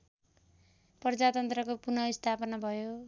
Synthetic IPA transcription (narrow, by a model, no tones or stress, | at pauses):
pʌrd͡zat̪ʌnt̪rʌkopunʌist̪ʰapʌnabʱʌjo